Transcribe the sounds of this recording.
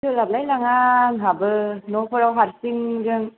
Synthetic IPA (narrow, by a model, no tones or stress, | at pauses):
ɯlab̚lajlaŋaŋɦabɯnɔpʰɯɾawɦaɾsiŋɡɯŋ